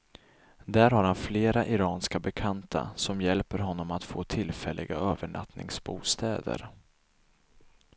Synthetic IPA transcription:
d̪æːɾhaɾhanfleːɾaʔɪɾɑːnskabɛkʰant̪ʰa̰sɔmjɛlpəɾɦɔnːɔmat̪foːt̪ʰɪlfɛlːʔɪɡaøːvəɳʔa̰t̪nɪ̰ŋsbuːst̪ɛːd̪ə̰ɾ

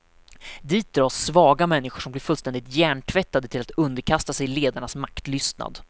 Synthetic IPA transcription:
d̪iːt̪̚d̪ɾɑːsːvɑːɡamɛnːɪɧʊʂɔmblɪɾfɵlst̪ɛnd̪ɪt̪jæːɳʈʰvɛt̪ːad̪ət̪ʰɪlat̪ɵnd̪əɾkʰast̪asɛjleːd̪aɳasmakt̪lʏst̪na̰d̪

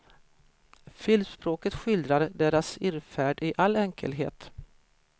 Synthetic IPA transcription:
fʏlspɾoːkət̪ɧʏld̪ɾaɾɖeːɾasɪɾfæːɖɪʔalːɛŋkʰə̰lɦḛːt̪

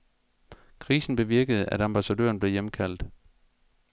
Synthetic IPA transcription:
kʰʁḭːsn̩b̥e̝ʋiɐɡ̥əð̞̩ˠʔæd̥ɑmb̥æsæd̥ø̰ːɐnb̥le̝jemkʰæl̰d̥

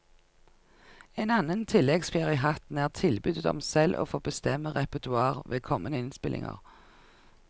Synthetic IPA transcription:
eːnɑnənt̪ʰɪlɛɡsfeːʁɪəəɦɑt̪n̩æːʁt̪ʰɪlbʏd̪ət̪ɔ̰msɛlʔo̰ːfoːbəst̪ɛməʁɛpət̪ʉɑːʁʋeːkʰɔmənəɪnspɪlʔɪ̰ŋə̰ʁ

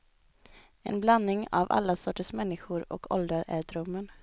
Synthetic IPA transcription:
ɛ̰nblanːɪŋa̰va̰lːasɔʈːəsmɛnːɪɧʊɾɔ̰kʰɔld̪ɾəɾæɖɾɵmːən

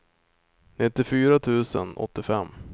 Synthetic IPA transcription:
nɪt̪ːɪfyːɾat̪ʰʉ̟ːsə̰nɔ̰t̪ːɪfɛmː

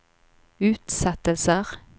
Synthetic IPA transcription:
ʉːt̪sɑt̪əlsəʁ

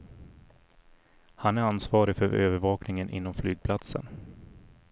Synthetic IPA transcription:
hanæɾansvɑːɾɪfœɾø̰ːvəɾvɑːknɪŋənʔɪ̰nːɔmflyːɡ̚pʰlat̪sə̰n

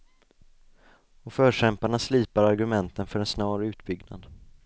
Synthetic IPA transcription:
ɔfœːʂɛmpaɳasliːpaɾaɾɡɵmɛnt̪ənfœɾɛnsnɑːɾʉ̟ːt̪bʏɡna̰d̪

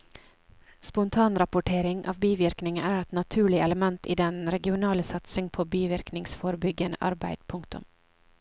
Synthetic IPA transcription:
spʊnt̪ʰɑːnɾɑpʊʈʰeːɾɪŋʔɑ̰ːʋbiːʋɪɾknɪŋəæːɾɛt̪nɑt̪ʰʉːɭɪɛləmɛnt̪ḭːd̪ɛnɾɛɡɪʊnɑːləsɑt̪sɪŋpʰoːbiːʋɪɾknɪŋsfoːɾbʏɡənə̰ʔɑ̰ɾbæ̰ɪd̪̥pʰʊŋkt̪ʊ̰m

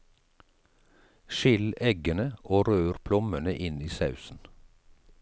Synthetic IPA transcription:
ʃɪlɛɡənəʔoːɾøːɾpʰlɔmənəʔɪniːsɑʉsn̩

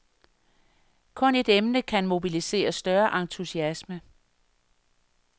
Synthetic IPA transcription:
kʰɔ̽ne̝d̥emnəkʰænmo̝bilise̝̰ːɐsd̥ɶɐʔɑ̈nt͡sʰusiæsmə

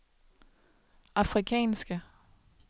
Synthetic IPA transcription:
ɑfʁikʰɛ̰ːnsɡ̥ə

